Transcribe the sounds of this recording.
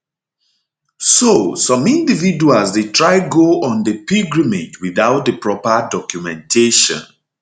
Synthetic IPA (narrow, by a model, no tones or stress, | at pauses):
sosɔ̃mĩndividualsdetɹaɪɡoɔ̃ndəpiɡɹimed͡ʒwiðaʊt̚dəpɹɔpədɔkjumɛ̃ntʰeʃɔ̰̃n